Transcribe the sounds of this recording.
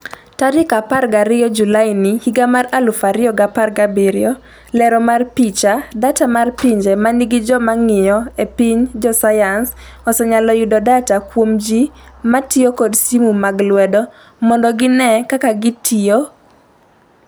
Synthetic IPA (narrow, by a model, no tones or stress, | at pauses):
taɾɪkaparɡaɾɪjɔd͡ʒulaɪnihiɡamaralufaɾɪɔɡaparɡabiɾɪɔ | lɛɾɔmarpit͡ʃadatamarpiɲd͡ʒɛmaniɡɪd͡ʒɔmaŋɪjɔepiɲd͡ʒɔsajans | ɔsɔɲalɔjudɔdatakwomd͡ʒimatiokɔdsimumaɡlwɛdɔ | mɔndɔɡɪnɛkakaɡɪtʰio